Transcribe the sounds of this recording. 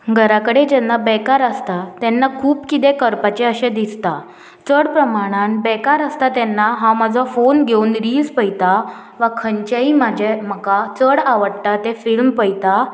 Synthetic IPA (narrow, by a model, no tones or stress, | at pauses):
ɡʱəɾakəɽed͡ʑɛnːabɛkaɾəst̪at̪ɛnːakʰuːpkit̪ekəɾpat͡ɕeəɕed̪ist̪a | t͡səɽpɾəmaɽ̃anbɛkaɾəst̪at̪ɛnːaɦãmad͡zʱɔfonɡʱeunɾiːlspəjt̪a | ʋakʰəɲt͡ɕaimad͡ʑʱem̤əkat͡səɽaʋəɽʈat̪efilmpəjt̪a